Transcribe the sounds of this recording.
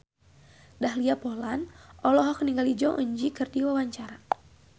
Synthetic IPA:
dahliapɔlanɔlɔɦɔkniŋɡalid͡ʒɔŋʔəɲd͡ʒikɨrdiwawaɲt͡ʃaɾa

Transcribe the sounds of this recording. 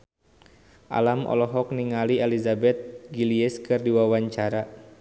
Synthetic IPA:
ʔa̰lamʔɔ̰lɔɦɔk̚niŋaliɛlizabɛt̪̚ɡiliɛskɨrdiwawaɲt͡ʃaɾa

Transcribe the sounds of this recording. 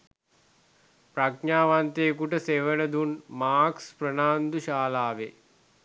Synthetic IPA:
pɾakɲaːʋant̪ekuʈəseʋənəd̪unmaːksprənaːnd̪uʃaːlaːʋe

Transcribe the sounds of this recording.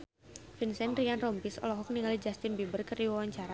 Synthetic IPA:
finsɛnɾianrɔmpisɔ̰lɔɦɔk̚niŋalid͡ʒast̪ɪnbibərkəriwawaɲt͡ʃaɾa

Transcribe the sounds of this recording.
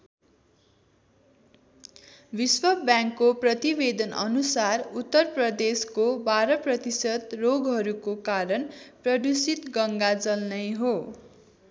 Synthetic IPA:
biswʌbjãŋkːoprʌt̪ibed̪ʌnʔʌ̰nusarut̪ːʌrprʌd̪eskobaɾʌprʌt̪isʌd̪roɡɦʌɾukokaɾʌnprʌd̪usit̪ɡʌŋɡad͡zʌlnʌjɦo

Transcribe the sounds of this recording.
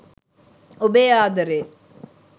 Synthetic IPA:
obeːaːd̪ɐɾeː

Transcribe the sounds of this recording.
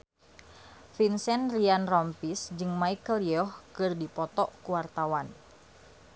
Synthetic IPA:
finsɛnrianrɔmpisd͡ʒɨŋmaikəliɔhkɨrdipɔt̪ɔʔkuwart̪awan

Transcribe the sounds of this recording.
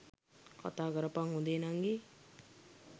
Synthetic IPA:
kʌ̰t̪aɡʌɾʌpaŋɦũd̪enaŋɡi

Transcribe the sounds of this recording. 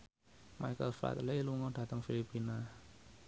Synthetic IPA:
ma̰jkəlfa̰t̪leluŋɔɖa̤t̪əŋfilipːina

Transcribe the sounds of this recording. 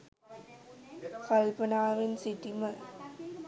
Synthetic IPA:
kɐlpɐnaːʋɪnsɪʈːimɐ

